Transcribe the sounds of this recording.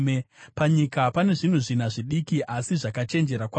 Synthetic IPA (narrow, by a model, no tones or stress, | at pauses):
epaɲikapane̞ʐin̤uʐin̤aʐiɗikiʔasiʐakat͡ʃe̞nd͡ʒe̞ɾakwa